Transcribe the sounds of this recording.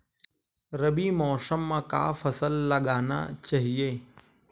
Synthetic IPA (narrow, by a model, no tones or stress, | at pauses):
ɾɐbimɔːsəmːãka̰ːfɐsəlːɐɠaːna̰t͡ʃaɦieː